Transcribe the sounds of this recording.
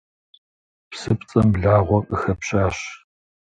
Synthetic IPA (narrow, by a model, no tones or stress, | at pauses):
psɨpʼt͡sʼɐmɮaːʁʷɔkʼɨxɐpɕʼaːɕ